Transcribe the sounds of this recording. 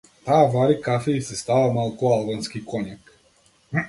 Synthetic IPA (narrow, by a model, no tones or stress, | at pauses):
t̪aːvaɾikafɛisɛst̪avamalˠkualˠbanskikʰɔɲak